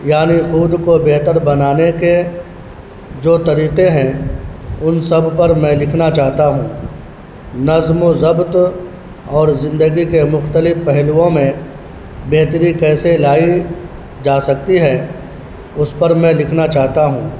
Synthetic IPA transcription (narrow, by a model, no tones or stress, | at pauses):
jaːnixuːd̪kobeɦt̪əɾbɐnaːneke | d͡ʒoːt̪ɐɾiːqeɦɛ̃ | ʊnsɐbpɐɾmɛ̃lɪkʰnat͡ʃaːɦt̪aɦũː | nɐzmozɐbt̪ | ɔːɾzɪ̃nd̪əɡikemʊxt̪əlɪfpɛɦluõmẽ | beɦt̪əɾikɛːselaːi | d͡ʒaːsɐk̚t̪iɦɛː | ʊspɐɾmɛ̃lɪkʰnat͡ʃaːɦt̪aɦũː